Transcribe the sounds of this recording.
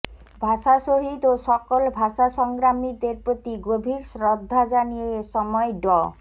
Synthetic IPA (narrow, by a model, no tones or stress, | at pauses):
bʱaʃaʃoɦid̪oʃɔkolbʱaʃaʃɔŋɡɾamid̪eɾpɾot̪iɡobʱiɾʃɾod̪ʱːad͡ʑanijeeʃɔmɔeɖɔ